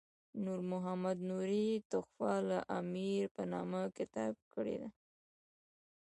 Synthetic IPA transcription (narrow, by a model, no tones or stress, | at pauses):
nuɾmʊɦamad̪nuɾit̪ʊxfalaʔamiɾpənɑməkɪt̪ɑb̚kəɽḛd̪a